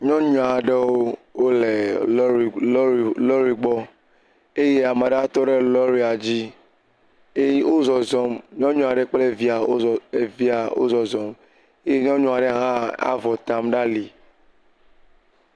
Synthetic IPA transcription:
ɲɔ̃˦ɲɔ̃˨a˨ɖe˦wo˦wo˦le˨˦˨ | lɔ˦ɾi˨ɡ͡bɔ˦ | e˦je˦a˨me˨ɖa˦t̪ɔ˦ɖe˦lɔ˦ɾi˦a˨d͡ʑi˦ | e˦o˦zɔ˨zɔ˨mɲɔ̃˦ɲɔ̃˨a˨ɖe˦k͡ple˦vi˦a˨o˦˨e˨vi˦a˨wo̰˦zɔ˨zɔ˨m | e˦je˦ɲɔ̃˦ɲɔ̃˦˨a˨ɖe˦ɦã˦a̰˦vɔ˨t̪a˨mɖa˦li˨

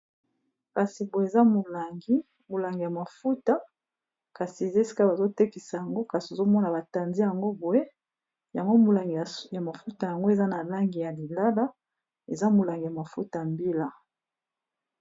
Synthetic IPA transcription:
ka˨si˨bo˨e˨za˦mu˨la˨ŋɡi˦ | mo˨la˨ŋɡi˨ja˨ma˨fu˦ta˦ | ka˨si˨e˨ze˦si̥˦ka˦ba˨zo˦te˦ki˨sa˨ja˨ŋɡo˦ka˨si˨o˨zo˦mɔ˦na˨ba˨ta˨nzi˦ja˨ŋɡo˦bu˨e˦ | ja˨ŋɡo˦mu˨la˨ŋɡi˨ja˨ma˨fu˦ta˨ja˨ŋɡo˦e˨za˦na˨la˦ŋɡi˨ja˨li˨la˦la˦ | e˨za˦mu˨la˨ŋɡi˨ja˨ma˨fu˦ta˨mbi˦la˦

